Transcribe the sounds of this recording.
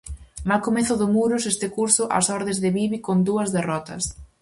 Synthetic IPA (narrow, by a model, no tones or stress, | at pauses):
malkomeθʊðʊmuɾʊsest̪ɪkuɾsʊʔɐ̰sɔɾðezðɪβiβikond̪uɐzðerɔt̪ɐ̰s